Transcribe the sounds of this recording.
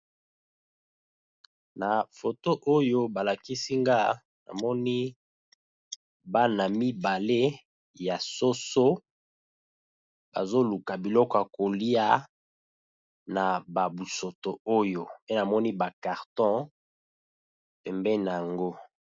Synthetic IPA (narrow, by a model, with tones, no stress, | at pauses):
na˨fo˨to˦ʔo˦jo˦ba˨la˨ki˦si˦ŋɡa˦ | na̰˨mɔ˦ni˦ | ba˦na˨mi˦ba˨le˦ | ja˨so˦so˦ | b̥a̰˨zo˦lu˨ka˨bi˨lɔ˦kɔ˨a˨ko˨li˦a˦ | na˨ba˨bu˨so˨to˨o˦jo˨pe˦na˨mɔ˦ni˦ba˨ka˨ʁtɔ̃˦ | pɛ˨mbɛ˦na˨a˨ŋɡo˦